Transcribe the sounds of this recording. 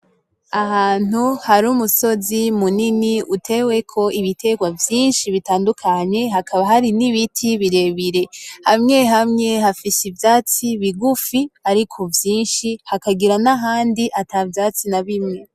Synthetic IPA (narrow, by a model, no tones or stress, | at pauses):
ahaːn̥uhaɾumuso̞zimuniniʔutʰe̞we̞kʰo̞iβitʰe̞ɡwavjiːnʃiβitaːndukʰaɲe̞ɦakʰaβaɦaɾiniβitʰiβiɾe̞βiɾe̞hamŋe̞ɦamŋe̞hafisivjaːt͡siβiɡufiaɾikʰovjiːnʃihakaɡiɾanaɦaːndiʔatavjaːt͡sinaβimŋe̞